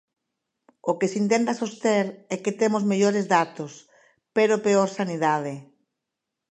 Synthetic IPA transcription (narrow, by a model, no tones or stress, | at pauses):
okesint̪̬ẽnt̪asost̪eɾɛket̪emozmeʎoɾezðat̪os | peɾopeoɾsaniðað̞e